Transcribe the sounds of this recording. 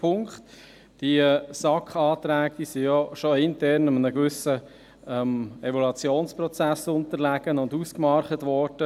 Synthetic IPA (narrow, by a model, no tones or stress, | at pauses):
pʰʊŋkχt | d̥iəsɑkχɑːt̪ɾæːɡ̚d̥iːsijɔʃɔɪntɛɾnəmənəɡvʏsə | ɛmɛvɔlɑt͡sjoːnsprɔt͡sæsʊntəɾlæɡənʊnduskmɑɾχətʋɔːɾd̥ə